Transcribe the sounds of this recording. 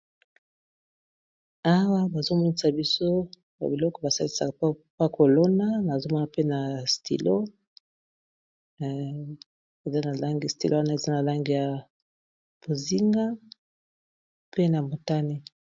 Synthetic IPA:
a˦wa˦ba˨zo˦mɔ˦ni˦sa˨bi˦so˦ | ba̰˨bi˨lɔ˦kɔ˦ba˨sa˦li˦sa̰˨˦pa˦kʰo˨lo˦na˦na˨zo˦mɔ˦na˨pe˦na˨stḭ˨lo˦ | e˨za˦na˨la˦ŋɡi˨stḭ˨lʔo˦wa˦na˦e˨za˦na˨la˦ŋɡi˨ja˨ | b̥o˨zi˦ŋɡa˦ | pe˦na˨mo˨ta˦ni˦

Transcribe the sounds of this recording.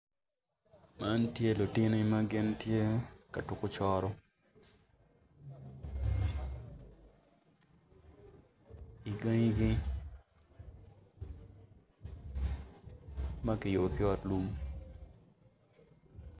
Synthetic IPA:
ma˦ntje˦lo˨tɪ˦nɪ˦ma˦ɡɪ˦ntje˦ka˨tu˨kʊ˦t͡ʃɔ˦ɾɔ˦ | i˨ɡa˦ŋi˦ɡɪ˦ | ma˦kɪ˨jo˨kɪ˦ɔ˦˨tlu˦m

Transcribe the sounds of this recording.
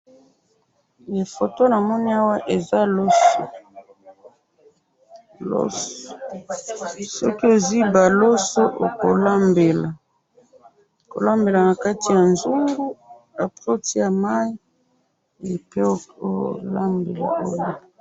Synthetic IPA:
e˨fo˨to˦na˨mɔ˦ni˦a˦wa˦ʔe˨za˦lo˦so˨ | lo̰˦s | sɔ˦ki˦o˨zi˦ba˨lo˦so˦ʔo̰˨ko˨la˦mbe˨la˨ | ko̰˨la˦mbe˨la˨na˨ka˦ti˨ja˨nzu˦ŋɡu˦ | a˨pʁo˦ti˦ja˨ma˦i˦ | e˨pe˦o˦o˦jo̰˨la˦mbe˨la̰˨o˦jo˨

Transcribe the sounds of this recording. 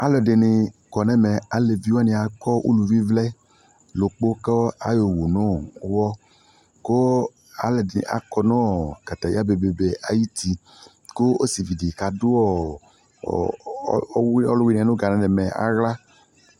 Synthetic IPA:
a˨lɔ˨de˨nɪ˧kɔ˨nɛ̃˦mɛ˨a˨le˨vi˦wa˦nĩ˧a˨kɔ˦ʔṵ˦lu˧vi˦vlɛ˦ | lo˨k͡po˦kɔ˦a̰˨jo˨wo˨nõ˦˨˦wɔ˦ | ko˦ | a˦lɛ˨de˨n̰˨ʔa̰˨kɔ˧nɔ̃˦ɔ˨ka˨ta˨ja˦be˨be˨be˨a˨ji˦ti˧ | ko˦o˦si˨vi˨di˨ka˨dʊ˦ɔ˦˨˦ | wɔ˦lu˦wi˦nɛ̃˨nʊ̃˦ɡa˨nã˨˦nɛ˨mɛ˨a̰˦ɣla˦

